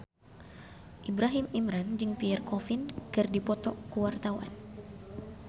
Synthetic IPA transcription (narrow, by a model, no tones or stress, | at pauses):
ʔibɾaɦimimɾand͡ʒɨŋpiɛrkɔfinkɨrdipɔt̪ɔkuwart̪awa̰n